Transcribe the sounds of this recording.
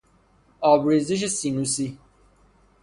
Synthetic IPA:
ɑːbɾiːziʃ̬esinusi

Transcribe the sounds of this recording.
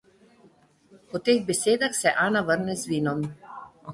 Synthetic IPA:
pɔt̪eːɣbɛseːd̪axsɛʔaːnaʋəɾnɛzʋiːnɔm

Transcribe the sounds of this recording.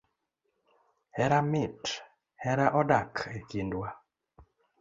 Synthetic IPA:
hɛɾamɪt | hɛɾaʔɔdakʰekindwa

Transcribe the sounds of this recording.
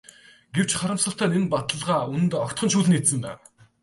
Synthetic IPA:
ɡ̥ewt͡ɕχaɾə̆msə̆ɬt̪ʰaːnenpat̪ə̆ɮʁaːun̆t̪ɔkt̪χɞ̆nʃuːɮnit̪sɘ̆nt̪a̰ːw

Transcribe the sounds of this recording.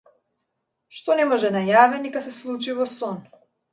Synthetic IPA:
ʃt̪ɔnɛmɔʒɛnajavɛnikasɛslˠut͡ʃivɔsɔn

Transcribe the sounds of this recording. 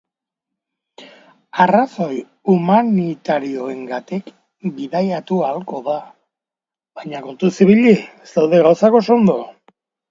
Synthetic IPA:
araso̞j | umanit̪aɾio̞e̞ŋɡat̪ik | biðajat̪ualko̞ða | βajɲako̞nt̪usiβiʎiest̪awðe̞ɣawsako̞so̞nd̪o̞

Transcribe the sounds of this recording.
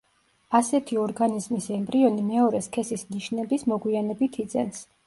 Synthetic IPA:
asɛt̪ʰiɔɾɡanizmisɛmbɾiɔnimɛɔɾɛskʰɛsisniʃnɛbismɔɡwianɛbit̪ʰid̪zɛns

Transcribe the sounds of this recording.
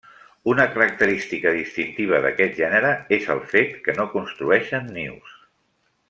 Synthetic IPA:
unəkəɾək̚t̪əɾist̪ikəðist̪int̪iβ̞əðə̰kɛt̪̚ʒɛnəɾəezə̰lˠfet̪kənokunst̪ɾuɛʃənːḭws

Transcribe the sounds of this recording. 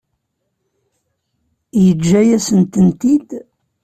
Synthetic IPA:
jəd͡ʒːæjæsənt̪ənt̪id̪

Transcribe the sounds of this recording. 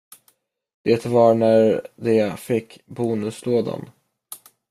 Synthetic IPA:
d̪̥eːt̪vɑɳæɾd̪ɛfɪkːbuːnɵsloːd̪a̰n

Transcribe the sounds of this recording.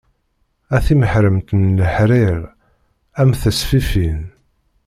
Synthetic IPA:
æθiməħɾəmt̪nːəħɾiʁ | æmθəsfifin

